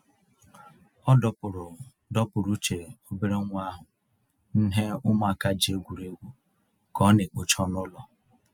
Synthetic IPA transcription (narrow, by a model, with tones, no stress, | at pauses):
ɔ˦dɔ˨pʊ˨ɾʊ˨ | dɔ˦pʊ˨ɾu˦t͡ʃe˨o˦be˦ɾe˦ŋʷ˦a˦ɦʊ˨ | n̩˦ɦe˦ʊ˦m˦a˦˨ka˦d͡ʒi˨e˦ɡʷu˨ɾe˦ɡʷu˨ | kɔ˦nɪ˨k͡pʊ˨t͡ʃɔ˦nʊ˦lɔ˨